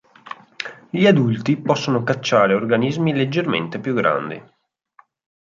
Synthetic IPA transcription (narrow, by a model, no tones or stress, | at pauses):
ʎiad̪ult̪ipɔsːonokat͡ʃːaːɾeorɡanizmiled͡ʒːermḛnt̪epjuɡːɾa̰nd̪ḭ